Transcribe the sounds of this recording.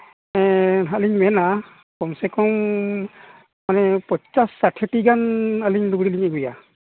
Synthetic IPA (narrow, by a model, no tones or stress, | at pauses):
ɛɦaliŋmɛna | kɔmsɛkɔŋ | manɛpɔt͡ʃasːatʰetiɡanaliŋluɡɾiliŋɛɡuja